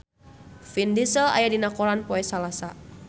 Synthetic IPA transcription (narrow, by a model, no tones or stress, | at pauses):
findisəla̰jadinakoɾanpɔɛsalasa